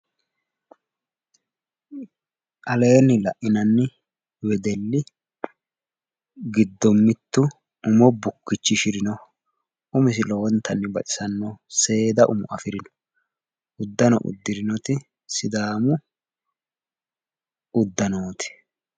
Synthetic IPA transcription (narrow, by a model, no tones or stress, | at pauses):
ʔɐle̞ːnɪlɐʔʔɪnɐnːɪ | wɛd̪ɛlːɪ | ɡɪd̪ːɔmːɪt̪ːʊ | ʊmɔbʊkːɪt͡ʃːɪʃɪɾɪnɔ | ʔʊmɪs̬ɪlɔwɔnt̪ːɐnːɪbɐʔɪ̥sɐnːɔse̞ːd̪ɐʔʊ̰mʊ̰ɐ̰fɪɾɪnɔ̥ | ʊd̪ːɐnɔ̰ʔʊ̰d̪ːɪɾɪnɔt̪ɪ | sɪd̪aːmʊ | ʊd̪ːɐnoːt̪ɪ̥